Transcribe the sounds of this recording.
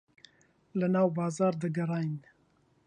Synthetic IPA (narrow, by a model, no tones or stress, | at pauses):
lɨnɑːwbɑːzɑːɾd̪ɨɡɐrˤɑːjn